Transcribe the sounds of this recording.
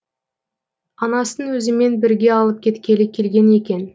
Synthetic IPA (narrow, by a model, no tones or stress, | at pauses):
ɑnɑsənwɵzɪme̞nbɪɾɡʲe̞ɑlˠəp̚kʲʰe̞t̪kʲe̞lɪkʲʰe̞lɡʲe̞ne̞kʲe̞n